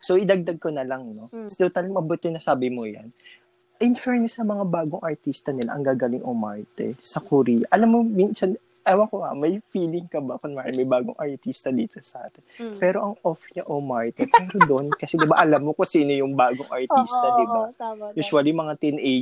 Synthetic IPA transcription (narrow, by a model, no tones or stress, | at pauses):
soʔɪd̪ɐɡ̚d̪ɐɡ̚konɐlɐŋno̞sd̪owt̪almɐbʊt̪ɪnɐsaːbɪmojɐ̰n | ʔɪnfɛɹnɛsɐmɐŋabaːɡoŋʔɐɹt̪ist̪ɐnɪla̰ʔɐŋɡaːɡɐlɪŋʔomaɹt̪ɛ̰sɐkʊɾijɐʔɐlamːominsɐn | ʔawɐkoɐ̰mɐjfiːlɪŋkɐbɐkʊnmɐɾa̰mɐjbaːɡo̰ŋʔɐɹt̪ist̪ɐd̪iːt̪osɐʔa̰ːt̪ɛnpɛːɾo̞ʔɐŋʔofɲɐʔomaɹt̪ɛpɛɾod̪o̞nkɐsɛd̪ɪbaʔɐlamːokɐsiːnojʊŋbaːɡoŋʔɐɹt̪iːst̪ɐd̪ɪbajuːsʊwaljʊŋmɐŋat̪ɛnʔɛ